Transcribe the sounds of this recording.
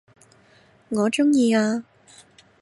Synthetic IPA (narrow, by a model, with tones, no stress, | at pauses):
ŋɔː˨˧˥ʈ͡ʂʊ˥ŋjiː˧aː˧